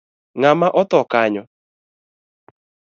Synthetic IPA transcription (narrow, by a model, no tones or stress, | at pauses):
ŋamaʔɔt̪ɔkaɲɔ